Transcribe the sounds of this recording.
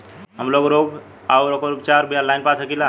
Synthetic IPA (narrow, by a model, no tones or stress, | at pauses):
ɦəmlokɾoɡ | awɾokoɾupt͡ɕaɾbijalajnpasəkila